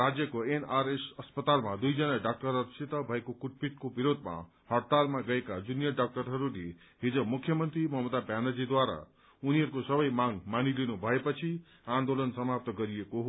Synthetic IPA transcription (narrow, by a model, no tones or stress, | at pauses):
rad͡zjʌkoenaɾesʌspʌt̪almad̪ujd͡zʌnaɖak̚ʈʌɾʌɾsit̪ʌbʱʌekokuʈ̚pit̪kobiɾod̪ʱma̰ | hʌɽt̪almaɡʌekad͡zunjʌɖak̚ʈʌɾɦʌɾule | ɦid͡zomukʰjʌmʌnt̪rimʌɦmʌd̪abjanʌd͡zid̪waɾa̰ | uniɦʌɾukosʌbʌjmaŋmanilinubʱʌepʌt͡sʰi | ãnd̪olʌnsʌmap̚t̪ʌɡʌɾijekoɦo